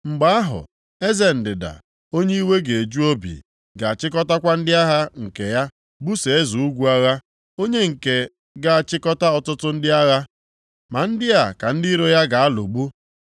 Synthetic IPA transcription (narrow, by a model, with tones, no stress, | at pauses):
ŋ͡m̩˨ɡ͡ba˨˦a˦ɦʊ̰˨ | e˦ze˨n̩˨dɪ˨da̰˨ | o˦ɲe˦i˦we˦ɡe˨e˨d͡ʒu˦o˦bḭ˨ | ɡa˨a˨t͡ʃɪ˦k̬ɔ˦ta˦kʷa˦n̩˦dɪ˦a˦ɦa˦ŋ̩˨ke˨ja˦ | bu˦se˨e˦zu˨u˦ɡʷu˦a˦ɣa˦ | o˦ɲe˦ŋ̩˨ke˨ | ɡa˦a˨t͡ʃɪ˦kɔ˦ta˦ɔ˨tʊ˦tʊ˦n̩˦dɪ˦a˦ɣa˦ | ma˨n̩˦dɪ˦a˨ka˨n̩˦di˦i˦ɾo˦ja˦ɡa˨a˦lo˨ɡ͡bu˦